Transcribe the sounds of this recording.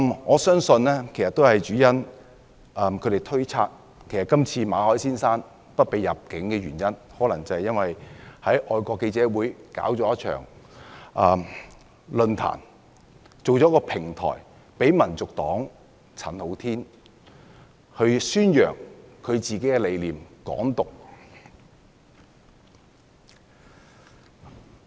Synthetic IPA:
mŋɔː˨˧sœː˥ŋsɵ˧nlɛː˥kʰe˨˩jsɐ˨t̪o˥whɐ˨jt͡ʃyː˨˥jɐ˥n | ɐ˨˧mkʰɵ˨˧ɾe˨˩jt̪ʰɵ˥ɥt͡sʰaː˧t̚ | kʰe˨˩jsɐ˨t̚kɐ˥mt͡sʰiː˧maː˨˧hɔː˨˥jsiː˥nsaː˥n | pɐ˥t̚pe˨jːɐ˨p̚kɪ˨˥ŋkɛː˧ɥyː˨˩njɐ˥nhɔː˨˥lɐ˨˩ŋt͡sɐ˨˧hɐ˨jɐ˥nwɐ˨jhɐ˨˥jʔɔː˧jkʷɔː˧kːe˧jt͡sɛː˨˥wuː˨˥jka̰ː˨˥wt͡sɔː˨˥jɐ˥t̚t͡ʃʰœ̰ː˨˩ŋʔɐː˨˧m | lɵ˧nt̪ʰa̰ː˨˩n | t͡so˨wt͡sɔː˨˥kɔː˧pʰɪ˨˩ŋt̪ʰɔ̰ː˨˩j | pe˨˥jmɐ˨˩nt͡sʊ˨k̚t̪ɔː˨˥ŋ | t͡sʰɐ˨˩nho˨˥wt̪ʰiː˥n | hɵ˧syː˥njœː˨˩ŋkʰɵ˨˧ɥt͡siː˨ke˨˥jkɛː˧le˨˧jliː˨mkɔ̰ː˨˥ŋt̪ʊ˨k̚

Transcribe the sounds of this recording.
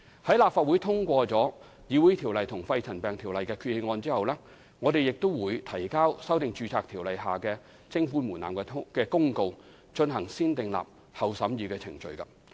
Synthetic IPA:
hɐ˨˥jlaː˨p̚faː˧t̚wuː˨˥jt̪ʰʊ˥ŋkʷɔː˧t͡sɔː˨˥ | jiː˨˧wuː˨˥jt̪ʰiː˨˩wlɐ˨jt̪ʰʊ˨˩ŋfɐ˧jt͡sʰɐ˨˩npɛː˨˩ŋt̪ʰiː˨˩wlɐ˨jkɛː˧kʰyː˧t̚hɪ˧ŋɔː˧nt͡siː˥hɐ˨wlɛː˥ | ŋɔː˨˧t̪e˨jɪ˨k̚t̪o˥wwuː˨˧jt̪ʰɐ˨˩jkaː˥wsɐ˥wt̪ɪ˨ŋt͡ʃyː˨˧t͡sʰaː˧k̚t̪ʰiː˨˩wlɐ˨jɦaː˨kɛː˧ | t͡sɪ˥ŋfuː˥nmuː˨˩na̰ː˨˩kɛ˧kɛː˧kʊ˥ŋko˧w | t͡ʃɵ˧nɦɐ˨˩ŋsiː˥nt̪ɪ˨ŋla̰ː˨p̚ | hɐ˨wsɐ˨˥mjiː˨˧kɛː˧t͡sʰɪ̰˨˩ŋt͡ʃɵ̰˨ɥkɐ˧

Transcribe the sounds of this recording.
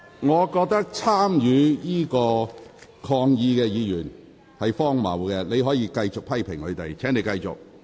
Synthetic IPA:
ŋɔː˨˧kɔː˧k̚t̪ɐ˥k̚t͡sʰaː˥mjyː˨˧jiː˥kɔː˧kʰɔː˧ŋjiː˨˧kɛː˧jiː˨˧jyː˨˩n | hɐ˨jfɔː˥ŋmɐ̰˨˩wkɛ˧le˨˧jɦɔː˨˥jiː˧kɐ˧jt͡sʊ˨k̚pʰɐ˥jpʰɪ˨˩ŋhɵ˨˧ɥt̪e˨jt͡sʰɛː˨˥ŋne˨˧jkɐ˧jt͡sʊ˨k̚

